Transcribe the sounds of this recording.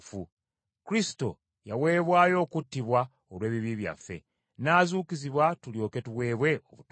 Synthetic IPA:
fu | kɾisi̥to̞̰ | jawe̞ːβwaːjo̞ːkutːiβwa | olwe̞ːβiβiβja̰fːe̞̰ | naːzuːkiziβwatuljo̞ːke̞tuwe̞ːβwe̞o̰βut

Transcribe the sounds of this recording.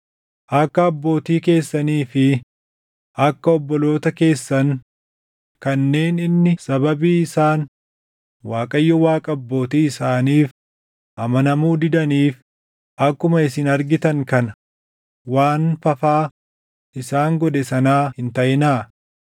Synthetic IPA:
ʔɐkːɐːbːo̞ːt̪iːke̞ːsːɐniːfɪ | ʔɐkːɐɔbːɔlo̞ːt̪ɐke̞ːsːɐŋ | kɐnːe̞ːnɪnːɪsɐbɐbiːɪsaːn | waːkʼɐjːɔwaːkʼɐːbːo̞ːt̪iːɪsaːniːf | ʔɐmɐnɐmuːd̪ɪd̪ɐniːf | ʔɐkːʊmɐɪsɪnɐɾɡɪt̪ɐŋkɐn | waːnfɐfaː | ʔɪsaːŋɡɔd̪ɛsɐnaːhɪnt̪ɐʔɪnaː

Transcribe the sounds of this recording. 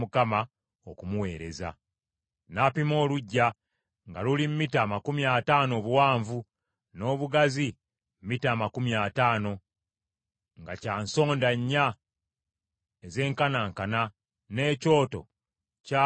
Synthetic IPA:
mukama | okumuwe̞ːɾe̞̰za̰ | napimo̞ːluɟːa | ŋɡa̰lulimmitaːmakumiataːno̞ːβuwaːɱvu | no̞ːβuɡazi | m̩mitaːmakumiaːtaːno̞ | ŋɡacaːnso̞ːndaɲːa | eze̞ːŋkanaːŋkana | ne̞ːco̞ːto̞̰ | ca

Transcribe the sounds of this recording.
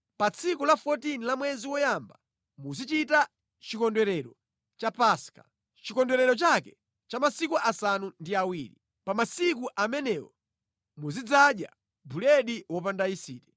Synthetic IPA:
pat͡sʰikulafɔtinilamwɛziwɔjamba | muzit͡ʃita | t͡ʃikɔndwɛɾɛɾɔ | t͡ʃapaːska̰ | t͡ʃikɔndwɛɾɛɾɔt͡ʃakɛ | t͡ʃamasikuʔasanundiawiːɾi | pamasik̬uʔamɛnɛwɔ | muzid͡zaɗja̰ | bulɛɗiwɔp̬andaisḭːtɛ

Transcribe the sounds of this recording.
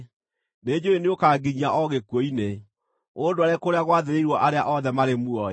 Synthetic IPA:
ned͡ʑoeneokaːɡiɲiaʔɔɣekwoine | odoaɾekoɾeaɣwaðeɾeiɾwɔʔaɾeaʔɔðɛmaɾemuɔ

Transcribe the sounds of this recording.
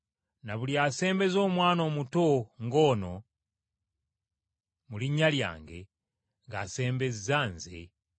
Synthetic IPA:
naβuljase̞ːmbe̞zo̞ːmwaːno̞ːmutoŋɡo̞ːno̞ | muliɲːalja̰ːŋɡe̞̰ | ŋɡase̞ːmbe̞zizaːnzḛ

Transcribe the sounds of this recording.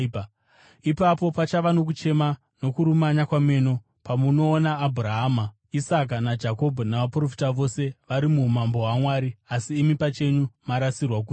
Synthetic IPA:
ipapo̞pat͡ʃaʋano̞k̬ut͡ʃe̞ma | no̞kuɾumaɲakwame̞no̞ | pamuno̞ːnaːbʱuɾaɦama | isak̬anad͡ʒako̞bʱonaʋapuro̞fi̥taʋo̞se̞ʋaɾimumambo̞ɦamwaːɾiasiːmipat͡ʃe̞ɲumaɾasirwak̬uː

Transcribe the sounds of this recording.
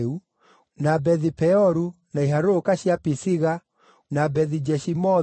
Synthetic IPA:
u | nabɛðipɛɔɾu | naiɦaɾokaɕjapisiɣa | nabɛðid͡ʒɛʃimɔ

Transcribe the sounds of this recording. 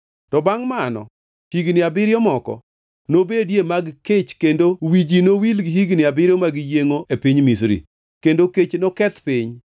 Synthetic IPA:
tɔbaŋmanɔ̰ | hiɡnɪabɪɾjɔmɔkɔ̰ | nobedjemaɡket͡ʃkendowid͡ʒinowilɡhiɡnɪabɪɾjɔmaɡjeŋoʔepiɲmisɾḭ | kendoket͡ʃnɔkɛt̪pɪɲ

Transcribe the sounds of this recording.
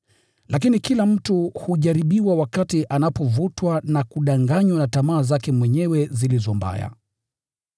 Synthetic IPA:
lʔakinikilam̩tuhuʄaɾiɓiwawakatiʔanapɔvutwanakuɗaŋɡaɲwanatamaːzakɛmwɛɲɛwɛzilizɔmba̰ja̰

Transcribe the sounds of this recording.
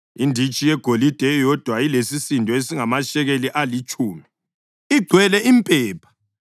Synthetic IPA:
indʱit͡ʃʼijɛɡ̥ʱolid̥ʱɛjɔd̥ʱwailesisindʱɔesiŋamaʃɛɣeliʔalit͡ʃʼuːmi | iɡ͡ǀʱwɛlɛʔimpʼɛːpʰḁ

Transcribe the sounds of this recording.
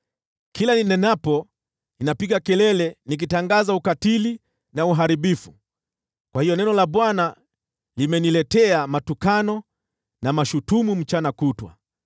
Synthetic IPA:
kʰilaninɛnapɔ | inapiɠakɛlɛlɛnik̬itaŋɡazaukatili | nauɦaɾiɓifu | kwahijɔnɛnɔlaɓwana | limɛnilɛtɛamatukanɔ | namaʃutumum̩t͡ʃanakutwa̰

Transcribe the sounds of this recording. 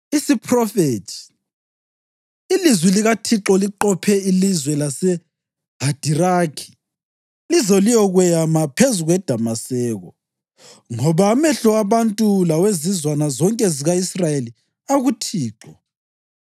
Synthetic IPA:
isipʰrɔfetʰi̥ | ilizwɛliɣatʰiǁɔliǃɔpʰɛilizwɛlasɛ | ɦad̥ʱirakʰi̥ | lizɔlijɔɣwɛjamapʰezuɣwɛd̥ʱamasɛːɣɔ | ŋɔβamɛɬɔaβantʼulawezizwanazɔŋkʼɛziɣaisrajeli | aɣutʰiːǁɔ

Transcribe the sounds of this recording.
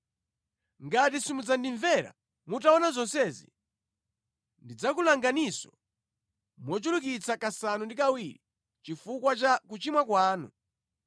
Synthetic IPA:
ŋɡatisimud͡zandiɱvɛɾa̰ | mutaɔnazɔnsɛːzḭ | ndid͡zakulaŋɡanisɔ̰ | mwɔt͡ʃulukit͡sakasanundikawiɾi | t͡ʃifukwat͡ʃakut͡ʃimwakwaːnṵ

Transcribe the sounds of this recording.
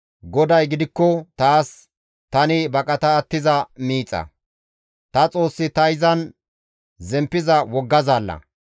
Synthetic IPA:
ɡɔd̪ɐjɡɪd̪ɪkːɔt̪aːs | t̪ɐnɪbɐkʼɐt̪ɐːt̪ːɪzɐmiːt͡sʼːɐ̰ | t̪ɐt͡sʼo̞ːsːɪt̪ɐjɪzɐn | zɛmpːɪzɐwɔɡːɐzaːlːɐ̰

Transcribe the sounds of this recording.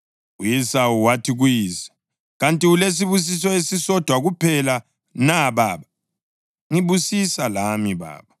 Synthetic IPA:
ujɛsawuwatʰiɣwjiːsḁ | ɣantʼiules̬iβus̬isɔesisɔd̥ʱwaɣupʰɛla | naβaːβa | ŋiβusisalamiβa̰ːβa

